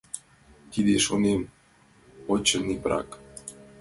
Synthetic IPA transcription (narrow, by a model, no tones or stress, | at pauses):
kid̪eʃonem | ot͡ɕənipɾa̰k